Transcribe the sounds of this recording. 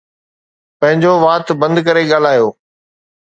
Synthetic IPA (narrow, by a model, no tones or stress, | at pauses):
pɐ̃ɦɪ̃ɲd͡ʑoʋaːt̪bɐ̃nd̪kɐɾeɠaːl̤aːjoː